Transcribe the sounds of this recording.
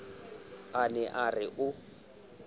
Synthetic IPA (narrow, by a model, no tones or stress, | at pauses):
anɛʔarɪʔʊ